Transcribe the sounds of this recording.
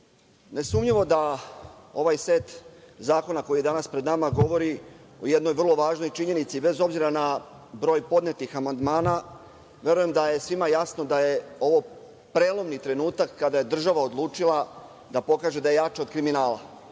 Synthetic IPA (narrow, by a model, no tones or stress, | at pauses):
ne̞suːmɲiʋo̞d̪a | o̞ʋajsʋe̞t̪zaːko̞nako̞jid̪anaspɾed̪namaɡo̞ʋo̞ɾi | o̞jed̪no̞jvr̩lˠo̞ʋaːʒno̞jt͡ʃiɲe̞nit̪sibe̞zo̞bziɾana | bɾo̞ːjpo̞d̪ne̞t̪ixamand̪maːna | ʋe̞ɾuje̞md̪aje̞sʋimajasno̞d̪aje̞o̞ʋo̞ | pɾeːlˠo̞mnit̪ɾe̞nuːt̪akːad̪aje̞d̪r̩ʒaʋao̞d̪lˠuːt͡ʃilˠa | d̪apo̞kaːʒed̪aje̞jat͡ʃaod̪kɾiminaːlˠa̰